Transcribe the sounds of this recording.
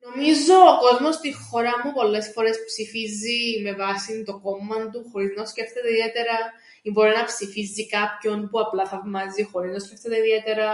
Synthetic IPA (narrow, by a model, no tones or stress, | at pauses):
no̞mizo̞ːko̞zmo̞st̪ixo̞ɾɐmupo̞lːe̞sfo̞ɾe̞spsifizːime̞vɐsind̪o̞ko̞mːɐnd̪uxo̞ɾiznɐsce̞ft̪e̞t̪eiðiet̪e̞ɾɐ | imbo̞ɾinɐpsifizːikɐpço̞npuɐplɐθɐvmɐzixo̞ɾiznɐsce̞ft̪e̞t̪eiðiet̪e̞ɾɐ